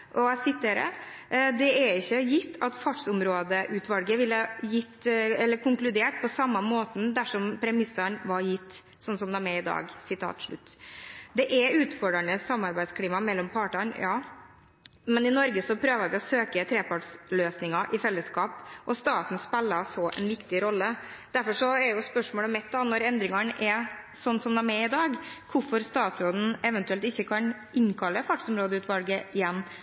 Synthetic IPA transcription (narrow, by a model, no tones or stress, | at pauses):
ʔɔsɪt̪ːəɾə̰d̪ɛɛɪçːəjɪt̪ːɑt̪fɑʈʂʊmɾoːd̪əʔʉt̪ʋɑlɡəʋɪlːəjɪt̪ːɛlːəɾkʰʊŋklʉd̪eːʈpɔsɑmːɑmoːt̪n̩d̪æʂɔmpʰɾɛmɪsːɑɳʋɑɾjɪt̪ː | sɔnsɔmd̪æmɛɪd̪ɑ̰ːɡsɪt̪ʰɑ̰ːt̪ʂɭʉ̰t̪ːd̪ɛʔɛʉːt̪fɔɖɾəɳəsɑmːɑɾbæɪd̪skʰliːmɑmɛlːɔmpʰɑːʈɑnjɑː | mɛnɪnɔɾɡəsɔpʰɾøːʋəʋɪɔsøːkət̪ʰɾeːpɑʈsløːsnɪŋɑʔɪfɛlːəskɑːpʔɔst̪ɑːt̪n̩spɛlːɑsɔʔɛ̰nʋɪkt̪ɪɾɔlːəd̪̥æɾfɔʂɔɛɛjʊspœʂmoːləmɛt̪̚d̪ɑːnɔɾɛnd̪ɾɪŋɑɳʔɛ | sɔnːsɔmd̪æɾmɛɪd̪ɑːɡkʰʊfɔɾst̪ɑːt̪sɾoːd̪n̩ɛʋɛnt̪ʉɛlt̪ɪçːəkʰɑn | ʔɪŋkʰɑlːəfɑʈsɔmɾoːd̪əʉːt̪ʋɑlɡəɪjɛnː